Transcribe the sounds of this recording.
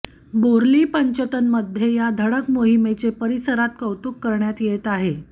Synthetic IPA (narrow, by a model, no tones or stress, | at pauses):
boɾliːpəɲt͡ɕət̪ənməd̪ʱːjejad̪ʱəɽəkmoɦimet͡sepəɾisəɾat̪̚kəwt̪ukːəɾɳjat̪jet̪aɦe